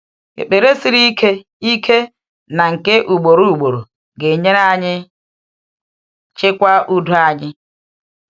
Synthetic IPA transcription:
ḛ˨k͡pe˨ɾe˦si˦ɾi˦kʰe˦ | i˦kʰe˦ | na˨ŋ̩˨ke˦ʔu˨ɡ͡bo˨ɾu˦u˨ɡ͡bo˨ɾo˨ | ɡe˨ɲe˦na˦ɲɪ˦ | t͡ʃɪ˦kʷa˦u˦du˦a˦ɲɪ˦

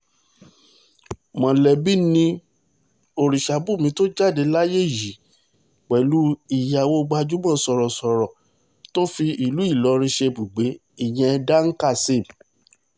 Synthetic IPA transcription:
mɔ̃˨lɛ˨bi˦nĩ˧ | o˨ɾi˨ʃa˨˦bu˦˨mĩ˨˧˦to˦d͡ʒa˦˨de˨˦la˦je˦˨ji˨˦ | k͡pɛ˨lu˦i˨ja˨wo˧ɡ͡ba˧d͡ʒu˦mã˦˨˦sɔ˨ɾɔ˨sɔ˨ɾɔ˨ | to˦fi˧i˨lu˨˦i˦˨lɔ˨˧ɾ̃ĩ˧ʃe˧bu˨ɡ͡be˨˦ | i˨j̃ɛ̃˧da˦ŋ̩˦ka˦˨se˦˨m˨

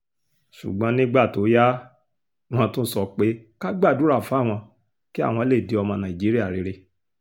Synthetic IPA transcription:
ʃṵ˨ɡ͡bã˨˦nĩ˦ɡ͡ba˦˨to˨˦ja˦ | w̃ɔ̃˧tũ˦sɔ˦˨k͡pe˨˦ka˦ɡ͡ba˦˨du˨˦ɾa˦˨fa˨˦˨w̃ɔ̃˧ | ki˦a̰˦˨w̃ɔ̃˧˦le˦˨de˨˦ɔ˧mã˧nã˨i˨d͡ʒi˨˦ɾi˦a˦˨ɾi˨˧˦ɾe˧

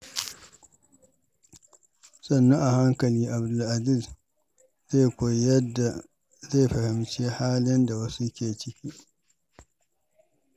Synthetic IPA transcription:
sɐ˦˨nːɔ˦ŋʔa˨ha˦ŋkɐ˨liː˦ʔa˨bdʊ˨lʔa˨zi˦˨z | ze˦˨kʷo˨jdːa˨ | za˦˨ɸɐ˨hɪ˨mt͡ʃe˦haː˦lɪ˦nda˨wɐ˦su˦kʲeː˨t͡ʃɪ˦kʲiː˦

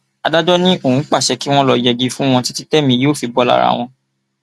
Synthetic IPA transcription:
a˨da˦d͡ʒɔ˦nĩ˦o˦˨ũ˨˦k͡pa˦˨ʃɛ˧ki˦w̃ɔ̃˦lɔ˧jɛ˨ɡi˧fũ˦w̃ɔ̃˧ti˦ti˦tɛ˦mĩ˧˦jo˦˨fi˧bɔ˧la̰˦˨ɾa̰˨w̃ɔ̃˧

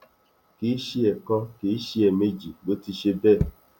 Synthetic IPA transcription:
ki˨˦ʃi˦ɛ˨kɔ̃˧ke˨˦ʃi˦ɛ˨me˦d͡ʒi˨ɡ͡bo˨˦ti˧ʃe˧bɛ˦˨

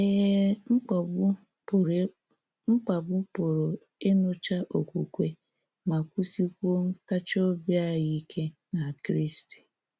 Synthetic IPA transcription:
e˦˨˦ | ŋ͡m̩˦k͡pa˨bʊ˦pʊ˨ɾo˨ | e˦no˦t͡ʃa˦ʔo˨kʷu˨kʷe˦ | ma˨kʷu˦si˦kʷo˦ŋ̩˦ka˦t͡ʃo˦bja˦˨ɣi˦kʰe˦na˨kɾi˦sti̥˨

